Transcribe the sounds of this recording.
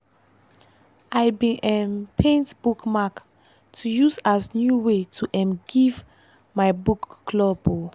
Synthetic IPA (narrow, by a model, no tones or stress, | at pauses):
ʔajbĩʔɛ̃mpʰẽntb̥ukmak | tʰujusasnjuwetʰuʔɛ̃mɡ̥iv | majbukːlɔbo